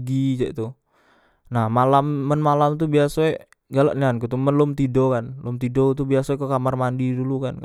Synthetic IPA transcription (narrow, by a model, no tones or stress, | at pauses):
ɡid͡ʒɛ̰ʔt̪u | nahmalamːənmalamt̪̬ubiasae | ɡala̰ʔniankut̪umənlʊmt̪idokanlʊmt̪idot̪ubiasaekokamarmandidulukanka